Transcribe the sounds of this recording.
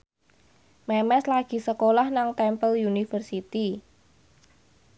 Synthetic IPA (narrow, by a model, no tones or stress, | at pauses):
mɛmɛslaɡ̥i̤səkolahnaŋt̪ɛmpəljunifərsit̪i